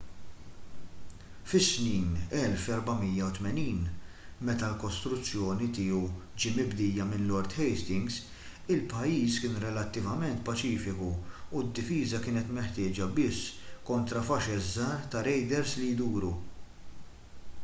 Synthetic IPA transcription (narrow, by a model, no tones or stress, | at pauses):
fɪsniːnɛlfɛɾbɐmijːɐwt̪mɛniːnmɛt̪ɐlkɔst̪ɾʊt͡sːjɔːnit̪ɪːuwd͡ʒiːmɪbd̪ɪːjɐmɪnlɔɾt̪ħɛjst̪ɪŋɡz | ɪlpɐjiːskɪːnɾɛlɐt̪ːɪvɐmɛnt̪pɐt͡ʃiːfɪkuud̪ːɪfiːzɐkɪːnɛt̪mɛħt̪ɪːd͡ʒɐbɪsːkɔnt̪ɾɐfɐʃɛzːɐːɾt̪ɐɾɛjd̪ɛɾslijd̪uːɾu